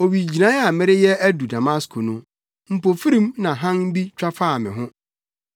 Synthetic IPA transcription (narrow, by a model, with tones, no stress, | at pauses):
o˨wi˨d͡ʑi˨nã˨˦a˨mɪ̃˦ɾɪ˦jɛ˦æ˦du˨da˨ma˦skʰʊ˨nʊ̃˦ | m̩˨po˨fi˦ɾĩ˦mnã˨ɦã˦n˦bi˦t͡ɕᶣa˦faː˦˨mɪ̃˨ɦʊ̃˦